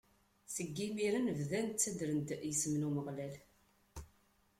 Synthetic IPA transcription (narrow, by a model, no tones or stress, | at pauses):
səɡːimiɾənvðænt͡sːæd̪ɾənd̪jəsmnuməʁlæl